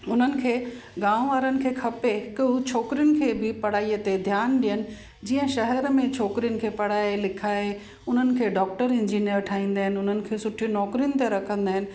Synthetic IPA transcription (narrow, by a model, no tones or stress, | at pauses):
ʊn̤ənɪ̆kʰeːɡãːʋʋaːɾənɪ̆kʰeːkʰɐpekːt͡ɕʰoːkɾijʊnɪ̆kʰeːbɪpɐɽ̤aːijət̪ed̪ʱjaːnɗijənɪ̆ | d͡ʑiːə̃ʃɐɦɛɾmẽt͡ɕʰoːkɾijʊnɪ̆kʰeːpɐɽ̤aːelɪkʰaːe | ʊn̤ənɪ̆kʰeːɖɔːk̚ʈəɾɪ̃ɲd͡ʑiːnijəɾʈʰaːĩːn̆d̪aːɦɪnɪ̆ʊn̤ənɪ̆kʰeːsʊʈʰinɔːkɾijʊnɪ̆t̪eɾɐkʰə̃nd̪aːɦɪnɪ̆